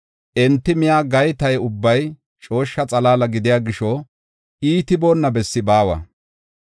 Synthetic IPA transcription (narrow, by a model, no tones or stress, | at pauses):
ʔɛnt̪ːɪmɪjaːɡɐjt̪ɐjʊbːɐj | t͡ʃʼo̞ːʃːɐt͡sʼɐlaːlɐɡɪd̪ɪjaːɡɪʃɔ | iːt̪ɪbo̞ːnːɐbɛsːɪbaːwɐ̰